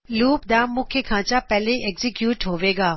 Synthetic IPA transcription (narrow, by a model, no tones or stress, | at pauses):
luːp̚d̪aːmːũːkʰekʰãːt͡ɕapɛɦleʔeːɡzikjuːʈɦoːʋeːɡaː